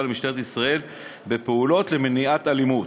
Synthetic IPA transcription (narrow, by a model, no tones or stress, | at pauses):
lmiʃt̪eet̪isʁae̞l | be̞peulo̞t̪le̞meniat̪alimu